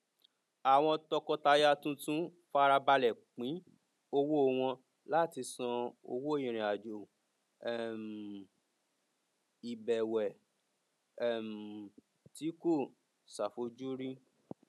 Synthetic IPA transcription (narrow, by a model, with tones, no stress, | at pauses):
a˨w̃ɔ̃˧tɔ˧kɔ˧ta˧ja˦tũ˦tũ˦ | fa˦˧ɾa˧ba˧lɛ˨k͡pĩ˨˦ | o˧wo˦o˦˧w̃ɔ̃˧ | la˦˨ti˧sɔ̃˧o̰˧wo˦jĩ˨ɾ̃ĩ˨a˨d͡ʒo˨ | ɛ˦˨m | i˨bɛ˨wɛ˨˦˨ | m | ti˨˦ko˦˨ | sa˨fo˧˦d͡ʒu˦ɾĩ˦